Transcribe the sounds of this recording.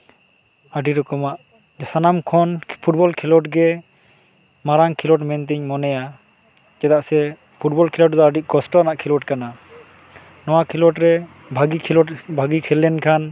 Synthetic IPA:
əɖiɾɔkɔmaʔ | d͡ʒsanamkʰɔnpʰuʈ̚bɔlkʰilɔʈɡɛ | maɾaŋkʰilɔʈmɛnt̪̬iɲmɔnɛja | d͡ʒɛt̪aʔsɛ | pʰuʈ̚bɔlkʰilɔʈd̪ɔaɖic̚ɡɔsʈɔanaʔkʰilɔʈkana | nɔwakʰilɔʈɾɛ | bʱaɡiɔbʱaɡikʰɛlɛnkʰan

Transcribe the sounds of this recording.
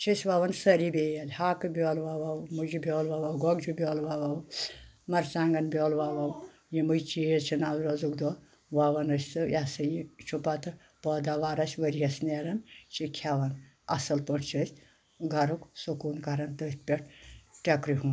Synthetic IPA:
t͡ʃʰisʲʋaʋɐnsɐɾibʲeːjɐlʲhaːkɨbʲjɔːlʋaʋawmud͡ʒubʲjɔːlʋaːʋawɡɔɡd͡ʒubʲjɔːlʋaːʋawmɐɾsaːŋɡɐnbʲjoːlʋaːʋaw | jimujt͡ʃijet͡ʃʰinaːzɾɐzukd̪ɔː | ʋaːʋɐnɐsʲt͡sɨjasɐjit͡ʃʰupat̪ɨ | pɔːd̪aʋaːɾɐsʲʋɐɾijɐsneɾɐnt͡ʃʰikʲʰaʋɐn | ɐ̰sɐlpəʈʰt͡ʃʰɐsʲ | ɡɐɾuksukuːnkɐɾɐnt̪ət̪̚pʲeʈ̚ʰʈʲɐkɾiɦũːn

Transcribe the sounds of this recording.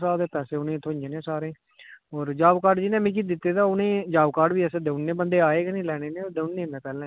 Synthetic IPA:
saːd̪eːt̪ɛːseːʊnẽːt̪ʰʊ̃ɲd͡ʒeːnẽːsaːɾẽː | ɔːɾd͡ʒaːbkaːɾɖd͡ʒɪnẽːmĩːkid̪ɪt̪ːeːt̪aːʊnẽːd͡ʒaːbkaːɖbiːɛseːd̪əʊnːeːbənd̪eːaːeːɡnĩːlɛːɽ̃eːnẽːd̪əʊnːẽːmɛ̃ːpɛːlãː

